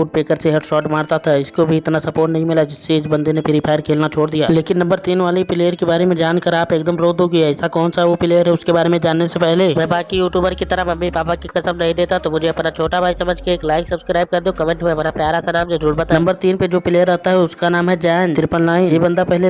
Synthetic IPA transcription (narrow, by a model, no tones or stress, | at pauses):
uːʈ̚peːkəɾseɦɛɖʃɔːʈmaːɾt̪at̪ʰaɪskobʱiɪt̪nasɐpoːɾʈnɐɦĩmɪlad͡ʒɪsːeɪsbɐ̃nd̪enẽpʰɪɾipʰaːjəɾkʰeːlnat͡ʃʰoːɽd̪ija̰ːleːkɪnːɐ̃mbəɾt̪iːnʋaːlipɪleːjəɾkebaːɾemẽd͡ʒaːnkɐɾaːpeːk̚d̪əmɾoːd̪ʱuɡɐjaɪsakɔːnsaɦɛʋopɪleːjəɾɦɛʊskebaːɾemẽd͡ʒaːnːesepɛɦleʋɛbaːkijuːʈjuːbəɾkit̪ɐɾəmɐmːipaːpakikɐsəmnɐɦĩd̪eːt̪at̪omʊd͡ʒʱeɐpnat͡ʃʰoːʈabʱaːisɐməd͡ʒʱkeeːklaːɪksɐbskɾaːɪb̚kɐɾd̪okɐmẽːɳʈɦuapnapjaːɾasɐnaːmd͡ʒɐuːɾbɐt̪anɐ̃mbəɾt̪iːnped͡ʒoːpɪleːəɾːɐɦt̪aɦɛʊskanaːmɦɛd͡ʒɛːnt̪ɪɾpənlaːɪ̃jebə̃nd̪apɛɦle